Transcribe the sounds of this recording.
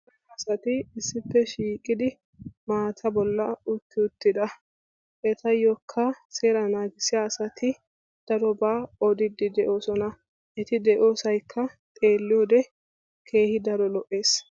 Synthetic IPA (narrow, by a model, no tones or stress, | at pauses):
ɛɐsɐt̪ɪɪsːɪpːɛʃiːkʼɪd̪ɪ | maːt̪ʰɐbɔlːɐʊtːɪʊt̪ːɪd̪ɐ | ʔɛt̪ɐjːɔkʰːɐseːɾɐnaːɡɪsɪjaːsɐt̪ʰɪ | d̪̥ɐɾɔbaːɔd̪ɪd̪ɪd̪ɛʔo̞ːsɔnɐ | ʔɛt̪ɪd̪ɛʔo̞ːsɐjkʰːɐt̪ʼe̞ːlːɪjoːd̪ɛ | kʰe̞ːhɪd̪ɐɾɔlɔʔːe̞ːs